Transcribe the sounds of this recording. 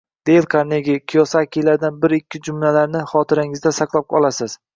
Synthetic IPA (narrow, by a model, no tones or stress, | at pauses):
d̪̥elˠkʰaɾneɡʲɪkʲʰijɒsakʲʰijlaɾd̪anbɪɾɪkʲʰːɪd͡ʒʊmlalaɾnɪχɒt̪ʰɪɾɪŋɪzd̪asaqlˠap̚qʰɒlˠasɪz̥